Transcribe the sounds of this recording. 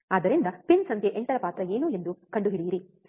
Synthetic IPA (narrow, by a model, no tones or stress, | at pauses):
aːd̪ɐɾind̪ɐpinsɐnd̪ʰʱjeʔeɳʈɐɾɐpaːt̪ɾɐeːnuːe̞nd̪ukɐɳɖuɦiɽiːɾi